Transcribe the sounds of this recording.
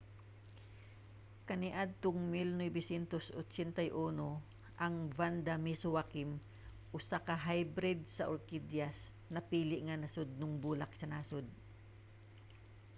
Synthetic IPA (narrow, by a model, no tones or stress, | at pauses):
kɐnɪʔad̪̚t̪ʊŋmɪlnɛjbɪsɛnt̪oso̰t͡ʃɛnt̪ɐjʔuːno | ʔɐŋvand̪amisʊwakɪm | ʔʊsakaɦajbɾɪd̪̚sɐʔoɾkid̪jas | nɐpiːlɪʔŋɐnɐsʊd̪̚nʊŋbuːlak̚sɐnaːsod̪̚